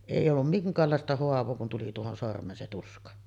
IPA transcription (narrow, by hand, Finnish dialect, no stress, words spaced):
eˑij olːum miŋkˑɑːlːɑˑestɑ hoɑʋˑoː kun tuli tuohon sormˑeːn se tuskɑ